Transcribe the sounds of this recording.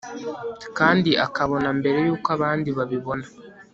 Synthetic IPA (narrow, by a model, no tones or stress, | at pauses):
kaːndiʔa̰kaβo̞nambe̞ɾe̞juːkoaβaːndiβaβiβo̞na